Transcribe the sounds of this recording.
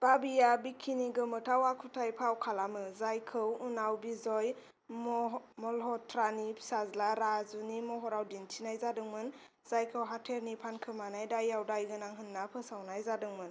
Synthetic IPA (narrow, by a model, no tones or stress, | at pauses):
b̥abijabikʰːiniɡɯmɯtʰawakʰutʰajpʰawkʰalamɯzajkʰɯwunawbizɔj | mɔlɦɔtʰɾanipʰi̥sazlaɾazunimɔɦɔɾawdintʰinajzadɯŋmɯn | z̥ajkʰɯwɦatʰeɾnipʰankʰɯmanajdajawdajɡɯnaŋɦɯnːapʰɯsawnajzadɯŋmɯn